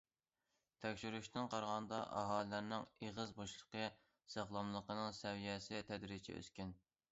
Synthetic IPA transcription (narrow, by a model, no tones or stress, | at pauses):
t̪ʰɛkʲʃyɾyʃt̪ɨnqʰɑɾʁɑnd̪ɑ̰ʔɑ̰ɦɑːlɨlæɾnɪŋeʁəzboʃlˠə̥qə | sɑχlˠɑmlˠəqənɨŋsɛwijɛsɪt̪ʰɛd̪ɾɪt͡ʃʰɛ̰ø̰skʲyn